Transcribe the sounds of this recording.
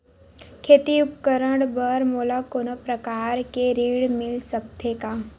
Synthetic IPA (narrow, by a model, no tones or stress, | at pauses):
kʰeːt̪iʊpkəɾəɽbəɾmolakonəpɾəkaːɾkeɾiːɽmɪlsəkt̪ʰekaː